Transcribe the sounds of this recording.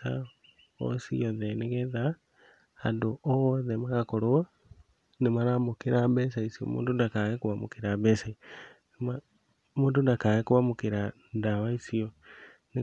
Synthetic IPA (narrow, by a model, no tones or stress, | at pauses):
a̰ | o̰sḭɔðɛneɣɛða | andoʔɔðɛmaɣakoɾoa | nemaɾamokeɾabɛs̬aisiɔ̰mṵːndondakaɣekoβamokeɾaβɛsai | ma | moːndondakaɣekoβamokeɾa | ndaβaisiɔ | ne